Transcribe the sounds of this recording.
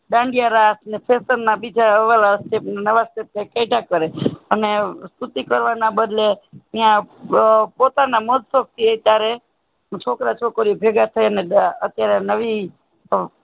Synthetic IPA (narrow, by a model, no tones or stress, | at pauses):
ɖãɳɖjaɾasnepʰesəɾnabid͡ʒaəʋelasʈepnanəʋasʈep̚nekeʈakəɾeənest̪ut̪ikəɾʋanabəd̪leijã | pot̪anaməd̪sok̚t̪ʰiet̪jaɾe | t͡ʃʰokɾat͡ʃʰokəɾiobʱeɡat̪ʰəjəneət̪jaɾenəʋi